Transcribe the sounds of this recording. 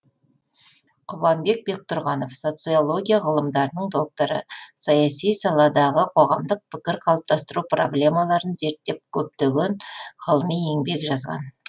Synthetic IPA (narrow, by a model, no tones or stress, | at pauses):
qʰʊβɑmbe̞k̚be̞k̚t̪ʰʊɾʁɑno̞fso̞t̪sɨo̞lˠo̞ɡʲijaʁəlˠəmd̪ɑɾənəɴd̪o̞k̚t̪oɾə̰sɑjɑsijsɑlˠɑd̪ɑʁəqʰo̞ʁɑmd̪əq̚pʰɪkʲɪɾqʰɑlˠəp̚t̪ɑst̪əɾupro̞̰blʲe̞mɑlˠɑɾənze̞ɾt̪ːe̞p̚kʲʰɵp̚t̪eɡʲe̞nʁəlˠəmijeŋbe̞kʒɑzʁɑ̰n